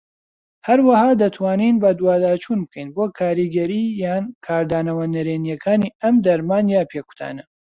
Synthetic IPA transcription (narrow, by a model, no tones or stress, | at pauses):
hɐɾwɐhaːd̪ɐt̪ʰwaːniːnbɐd̪waːd̪aːt͡ʃʰuːnbɨkʰɐjnboːkʰaːɾiɡɐɾijaːnkʰaːɾd̪aːnɐwɐnɐɾeːnjɐkʰaːniɐmd̪ɐɾmaːnjaːpʰeku̥t̪ʰa̰ːnɐ